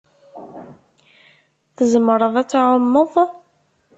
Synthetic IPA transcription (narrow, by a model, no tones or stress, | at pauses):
θəzəməɾˤəðˤæt͡sːʕʊmːəðˤ